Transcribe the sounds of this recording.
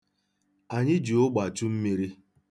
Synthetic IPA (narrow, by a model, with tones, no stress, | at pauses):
a˨ɲɪ˦d͡ʒu˨ʊ˦ɡ͡ba˨t͡ʃu˦m̩˦mi˦ɾi˦